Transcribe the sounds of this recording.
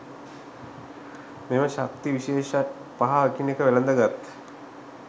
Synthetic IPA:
meməʃak̚t̪iʋiʃeːʃat̪ | paɦaʋəkinekəʋelənd̪əɡat̪

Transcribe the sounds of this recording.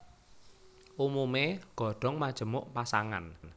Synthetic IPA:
ʔumumeɡ̥ɔ̤ɖ̥ɔ̤ŋmad̥ʒ̥ə̤mʊʔpasaŋa̰n

